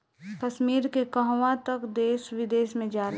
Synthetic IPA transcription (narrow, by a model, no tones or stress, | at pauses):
kəʃmiːɾkekəɦwãt̪əkd̪eːswɪd̪eːsmẽd͡ʒaːl